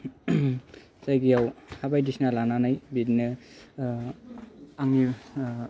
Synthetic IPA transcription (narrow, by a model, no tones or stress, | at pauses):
sajɡijawhabajdisnalananajbitnɯ | aŋni